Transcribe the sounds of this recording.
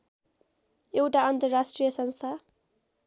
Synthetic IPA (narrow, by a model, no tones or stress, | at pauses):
ewʈaʌnt̪əɾasʈɾijasʌnst̪ʰa